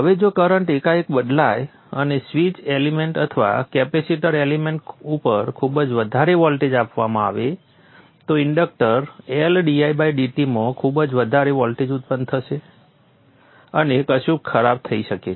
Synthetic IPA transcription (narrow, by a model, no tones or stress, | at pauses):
ɦəʋed͡ʒokəɾəɳʈekaekbəd̪laj | ə̰nesʋit͡ʃelimeɳʈət̪ʰəʋa̰kɛpesiʈəɾelimeɳʈupəɾkʰubd͡ʒʋəd̪ʱaɾeʋɔlʈed͡ʒapʋamãaʋe | t̪oɪɳɖək̚ʈəɾelɖiajbaiɖiʈimõkʰubd͡ʒʋəd̪ʱaɾeʋɔlʈed͡ʒut̪̚pənd̪t̪ʰəʃe | ənekəʃũkkʰəɾab̚t̪ʰəiʃəke